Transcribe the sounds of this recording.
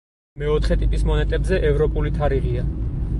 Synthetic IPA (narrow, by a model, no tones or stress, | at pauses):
mɛɔt̪ʰχɛt̪ʼipʼismɔnɛt̪ʼɛbzɛʔɛvɾɔpʼulit̪ʰaɾiʁia